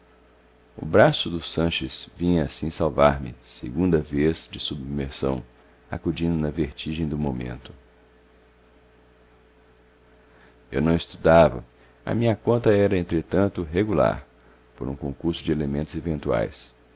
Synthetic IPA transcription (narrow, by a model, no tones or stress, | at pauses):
ʊ̰bɾasʊd̪ʊsɐ̃ʃɪsvĩɲɐasĩsawvaɾmɪ̰sḛɡũnd̪ɐvezd͡ʒɪsubmeɾsɐ̰̃w̃ | a̰kud͡ʒĩnd̪ʊnɐveɾt͡ʃiʒẽj̃d̪ʊmõmḛ̃nt̪ʊ̥ | ewnɐ̃w̃ɪst̪ud̪avɐ̰ | ɐ̰mĩɲɐkõnt̪ɐɛɾɐẽnt̪ɾet̪ɐ̃nt̪ʊɦeɡula̰ɾ | poɾũkõkuɾsʊd͡ʒɪelemẽnt̪ʊzevẽnt̪ua̰js